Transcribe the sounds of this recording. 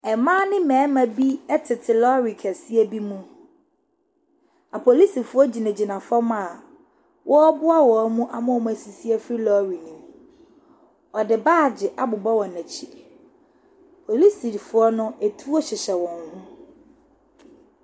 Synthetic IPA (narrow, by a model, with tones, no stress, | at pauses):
ɛ˨mãː˦nɪ̃˦mɛ̃ː˨˦mæ̃˨bi˦ɛ˦tʰɪ˨tʰɪ˨lɔ˦ɾi˨kʰæ˨si˦æ˦bi˦mũ˦ | a˨pʰo˨li˦si˨fʊ˦ɔ˦d͡ʑi˨næ̃˨d͡ʑi˨nã˨fɔ˦m˦a˨ | wʔɔ˦bʊ˦a˦wɔ˨˦mũ˦ʔa̰˨mʊ̃˦ɔ˨mũ˦æ˨si˨si˦æ˦fɾi˦lɔ˦ɾi˨nĩ˨m˦ | ɔ˨dɪ˨baː˦˨d͡ʑɪ˨ʔa˦bʊ˨bɔ˦wɔ˨næ̃˨t͡ɕʰi˦ | pʰo˨li˦si˨ɾi˨fʊ˦ɔ˦nʊ̃˦æ˨tʰu˦ɔ˦ɕɪ˨ɕɛ˨wɔ̃˨ŋhũ˦